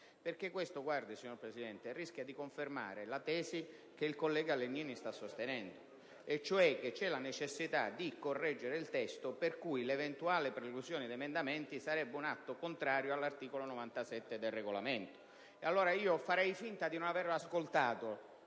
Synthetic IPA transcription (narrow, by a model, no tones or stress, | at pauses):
perkekwest̪oɡward̪isiɲːoɾpɾesid̪ɛnt̪erisk̟jad̪ikoɱferma̰ːɾelat̪ɛːsi | keilkolːɛːɡalːenːiːnist̪asːost̪enɛnd̪o | et͡ʃːoɛk̟ːet͡ʃːɛlanet͡ʃesːit̪a̰d̪ikorːɛd͡ʒːeɾeilt̪ɛst̪operkujlevent̪uaːlɪpɾeluzjoːnid̪emend̪ament̪isaɾɛbːeunat̪ːokont̪ɾaːɾjoalːart̪iːkolonovant̪asɛt̪ːed̪elreɡolament̪o̥ | ealːoːɾaiːofaɾɛjfint̪ad̪inonaveraskolt̪aːt̪o